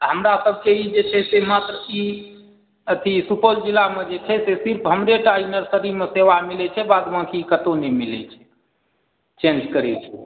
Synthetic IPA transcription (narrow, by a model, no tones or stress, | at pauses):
ɦəmɾasəb̚ʱkeid͡ʒet͡ʃʰɛsemat̪ɾəi | ət̪ʰisupəld͡ʒilamed͡ʒet͡ʃʰɛsesiɾpʰɦəmɾeʈainəɾsəɾimeseʋamilɛt͡ʃʰɛbad̪mãkʰikət̪onɛmilɛ̰t͡ʃʰɛ̥ | t͡ʃẽnd͡ʒkəɾɛ̰t͡ʃʰɛ̥